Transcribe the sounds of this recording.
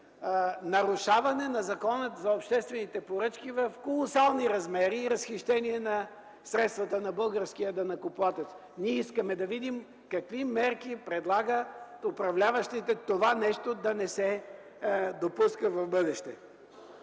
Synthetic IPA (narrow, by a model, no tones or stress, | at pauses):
nɐɾʊʃavɐnɛnɐzɐkɔnət̪zɐopʃt̪ɛst̪vɛnit̪ɛpoɾɤt͡ʃkivɐfkolˠosalˠniɾɐzmɛɾiːɾɐsxiʃt̪ɛniɛnɐ | sɾɛt̪st̪vɐt̪ənɐbɤlˠɡəɾsk̟ijəd̪ɐnɐkʊplˠat̪ɛt̪s | niɛiskəmɛd̪ɐvid̪im | kɐkvimɛɾkipɾɛd̪lˠaɡət̪ʊpɾɐvlʲavɐʃt̪it̪ɛt̪ovanɛʃt̪od̪ɐnɛsɛ | d̪opuskəvɐvbɤd̪ɛʃt̪ɛ